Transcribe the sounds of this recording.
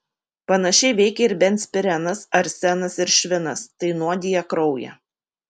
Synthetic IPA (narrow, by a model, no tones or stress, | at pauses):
pɐnɐʃʲɛɪʋʲɛɪkʲɛɪɾbʲɛnʲt̪sʲpʲɪɾʲɛnɐsɐɾsʲɛnɐsɪɾʃʲʋʲɪnɐst̪ɐɪnuɔd̪ʲiːjɛkɾɒʊjɛ̰